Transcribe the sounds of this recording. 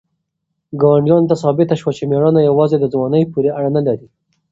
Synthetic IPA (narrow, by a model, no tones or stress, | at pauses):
ɡɑwaɳɖjɑnt̪asɑbɪt̪aʃwat͡ʃemeɽɑnajawɑzed̪əzwɑnəjpuɾeaɽanalaɾi